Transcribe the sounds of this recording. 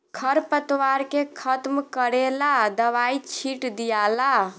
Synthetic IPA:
kʰəɾpət̪waɾkekʰət̪mkəɾelad̪əβait͡ʃʰiʈd̪ijala

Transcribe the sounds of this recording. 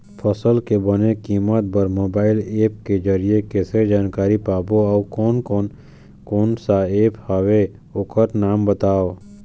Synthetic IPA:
fʰəsəlkebɐnekiːmət̪bəɾmoːbaːɪleːp̚ked͡ʒəɾiekeːsɾed͡ʒaːnkaːɾipaːboɔːkɔːnkɔːn | koːnsaeːphawe | ʊkəɾnaːmbət̪aːoː

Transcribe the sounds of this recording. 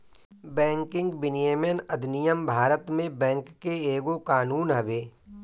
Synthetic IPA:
bɛ̃ːŋkɪ̃ŋɡbɪnijeːmənɐd̪nɪjəmbʱaːɾət̪mẽbɛ̃ːŋkːeeːɡokaːnuːnɦɐʋeː

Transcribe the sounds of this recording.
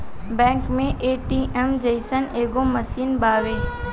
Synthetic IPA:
bɛ̃ːŋkmẽʔeːʈiːʔɛmd͡ʒəɪsəneːɡomɐsiːnbaːʋeː

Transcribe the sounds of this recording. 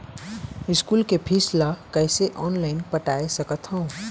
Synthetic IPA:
ɪskuːlkepʰislakəɪseʔɔːnlaɪnpəʈaesəkət̪ɦə̃ʊ̃

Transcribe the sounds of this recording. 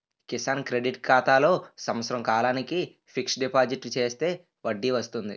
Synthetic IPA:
kisɐnkɾe̞ɖiʈkʰaːt̪aːlo̞ːsɐmɐt̪sɐɾɐmkaːlaːniki | pʰiksɖipaːd͡ʒiʈlut͡ʃe̞ːst̪e̞ː | ʋɐɖːiʋɐst̪und̪i

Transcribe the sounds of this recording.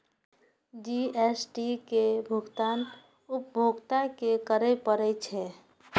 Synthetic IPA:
d͡ʒiesʈikebʱuɡt̪an | up̚bʱoɡt̪akekəɾɛpəɾɛt͡ʃʰɛ

